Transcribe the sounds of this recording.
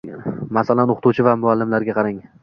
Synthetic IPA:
masalanoqʰt̪ʰuwt͡ʃʰɪvamʊalːɪmlaɾɡʲaqʰɑɾaŋ

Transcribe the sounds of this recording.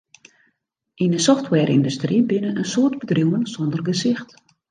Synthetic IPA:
ʔinəsɔftʰwɛːɾʔḭndustribɪnənənsoərtbədruwənsɔndərɡəsɪxt

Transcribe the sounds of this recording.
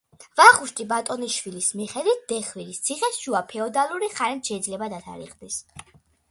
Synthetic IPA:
vaχuʃt̪ʼibat̪ʼɔniʃwilismiχɛd̪wit̪̚ʰd̪̥ɛχwiɾist̪sʰiχɛsʃuapʰɛɔd̪alˠuɾiχaɾɛt̪ʃɛid̪zlɛbad̪at̪ʰa̰ɾḭqʼd̪is

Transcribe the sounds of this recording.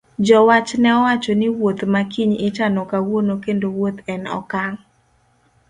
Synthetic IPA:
d͡ʒɔwat͡ʃnɛɔwat͡ʃɔnɪwot̪makiɲɪt͡ʃanɔkawonokendowot̪ɛnɔ̰kaŋ

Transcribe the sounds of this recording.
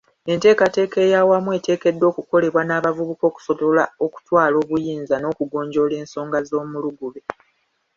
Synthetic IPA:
e̞nte̞ːkate̞ːke̞ːjawamwe̞ːte̞ːke̞dːo̞ːkuko̞le̞βwanaːβavuβuko̞ːku̥so̞tolao̞ku̥twaːlo̞ːβujiːnzano̞ːkuɡo̞ːɲɟo̞le̞ːnso̞ːŋɡazo̞ːmuluɡuβe

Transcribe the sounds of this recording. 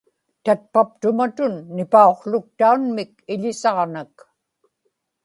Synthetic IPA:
t̪at̪̚pap̚t̪ʊmat̪ʊnːɪpao̞qɬʊk̚t̪aunmɪkɪʎɪsɑʁnak

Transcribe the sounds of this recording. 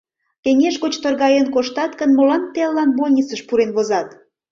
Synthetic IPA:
keŋeʃɣot͡ɕt̪orɣɑjenkoʃt̪ɑt̪kənmolɑnt̪eɑlːɑnβolʲnʲit͡səʃpuɾenβozɑt̪

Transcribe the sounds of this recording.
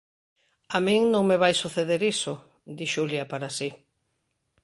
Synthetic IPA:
amĩŋnõŋmeβajsuθeðeɾisʊ | d̪iʃuljapaɾasi

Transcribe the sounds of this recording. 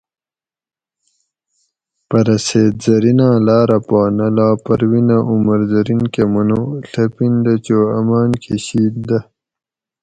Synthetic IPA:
pɐɾɐseːd̪zɐɾinãːlaːɾɐpaːnɐlaːpɐɾwinaʔumɐɾzɐɾinkemɐnoɬɐpind̪ɐt͡ɕoːɐmaːnkʰeɕiːt̪̚d̪ɐ

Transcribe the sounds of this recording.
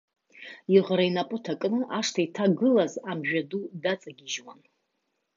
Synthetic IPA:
iʁɾainapʼʊtʰakʼnɨʔaʂtʰaitʰaɡɨlazamʒᶣadudat͡sʼaɡʲiʒwa̰n

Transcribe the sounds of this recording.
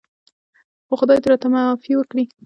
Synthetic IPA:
xoxʊd̪ɑjd̪əɾɑt̪amafiwəkɽi

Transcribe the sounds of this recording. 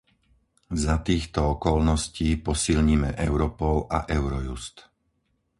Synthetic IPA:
zat̪iːxt̪ɔɔkɔlnɔsciːpɔsilɲimɛʔɛʊɾɔpɔlʔaʔɛʊɾɔjust̪

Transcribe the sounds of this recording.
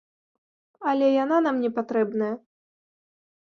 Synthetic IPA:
ɐlʲɛjananamnʲɛpat̪ɾɛbnɐjɐ

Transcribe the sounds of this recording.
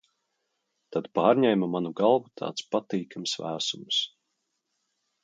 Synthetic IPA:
t̪ad̪paːɾɲɛjmamanuɡalˠvut̪ʰa̰ːt̪spat̪iːkamsvæ̰ːsums

